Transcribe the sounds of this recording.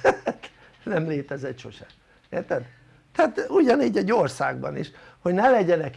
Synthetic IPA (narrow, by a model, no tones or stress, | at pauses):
at̪ | nɛmleːt̪ɛzɛt̪ʃo̞ʃɛ | eːrt̪ɛd̪ | t̪aːt̪uɟɒniːɟɛɟorsa̰ːɡ̚bɒ̰nḭʃ | ho̞ɟnɛlɛɟɛnɛk